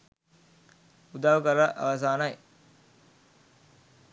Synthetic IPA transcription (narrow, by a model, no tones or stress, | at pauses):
ud̪aːʋukəɾaʔa̰ʋɐs̬aːnaj